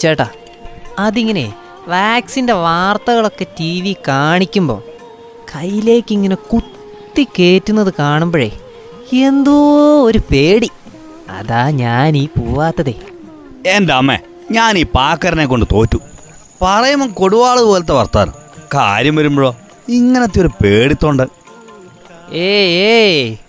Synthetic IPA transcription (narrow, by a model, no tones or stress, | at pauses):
t͡ɕːeːʈːaː | ɐðiŋːɐne̞̰ | ʋaːksinde̞ʋaːrt̪ɐɣɐɭo̞kːe̞tiːʋikaːɳikʲːumbo̞̰ː | kʰɐjːile̞ːkːiŋːɐne̞kut̪ː | ike̞ːtːunːɐðɨkaːɳumboːḛ | e̞nd̪uoɾupeːɽi | ɐ̰ðaːɲaːniːpoːʋaːt̪ːɐðe | endeɐmːḛ | ɲaːniːpaːkːɐɾɐnek̬ːo̞ɳɖɨt̪o̞ːtːu | pɐrɐjumɐmko̞ɽuʋaːɭɨðɨpo̞ːlet̪̬ːeʋɐ̰rt̪ːa̰ːnɨ̰ka̰ːɾjɐmʋɐɾumbɐɭoː | iŋːɐnɐt̪̬ːijo̞ɾupe̞ːɽit̪ːoːɳɖɐ | eːeː